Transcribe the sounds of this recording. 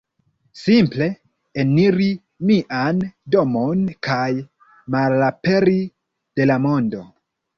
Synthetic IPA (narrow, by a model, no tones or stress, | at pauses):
simple̞ | eniɾi | miʔando̞mo̞nkaj | malape̞ɾi | d̥e̞lamo̞ndo̞